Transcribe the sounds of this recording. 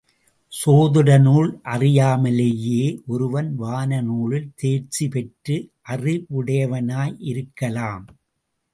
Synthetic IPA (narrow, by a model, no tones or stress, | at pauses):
soːðɯɽɐnuːɭʔɐrɪjaːmɐlejeːʔɔɾɯʋɐnʋaːnɐnuːɭɪlt̪eːɾt͡ʃipɛʈrɯʔɐrɪʊɽɐjɐʋɐnaːjʔɪɾɯkːɐlaːm